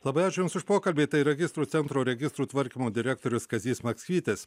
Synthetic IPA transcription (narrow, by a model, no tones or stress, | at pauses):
lˠɐbɐɪaːt͡ʃʲʊjʊmsʊʃpoːkɐlʲbʲeːt̪ɐɪɾɛɡʲɪst̪ɾuːt̪sʲɛnt̪ɾoːɾʲɛɡʲɪst̪ɾuːt̪ʋɐɾʲkʲimoːd̪ʲɪɾʲæk̚t̪oːɾʲʊskɐzʲiːsmɐksʲkʲiːt̪ʲes